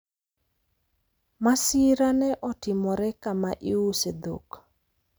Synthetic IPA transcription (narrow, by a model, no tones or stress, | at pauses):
masɪɾanɛʔɔtɪmɔɾɛkamaʔɪused̪o̰k